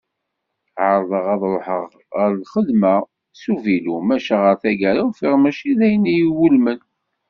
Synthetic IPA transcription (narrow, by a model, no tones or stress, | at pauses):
ʕəɾˤðˤəʁɑðˤɾˤoħəʁ | ʁəɾlχəlmæ | suvilumæʃaʁəɾθæɡæɾawfiʁmæʃiðæjənːijiwulmən